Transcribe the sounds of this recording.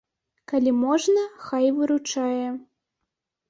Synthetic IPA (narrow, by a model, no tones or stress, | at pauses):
kalʲimɔʐnɐxajvɨɾut͡ʂajɛ